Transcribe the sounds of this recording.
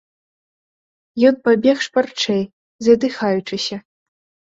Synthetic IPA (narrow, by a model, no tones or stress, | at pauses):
jɔnpabʲɛxʂpart͡ʂɛj | zʲɐd̪ɨxajut͡ʂɨsʲɐ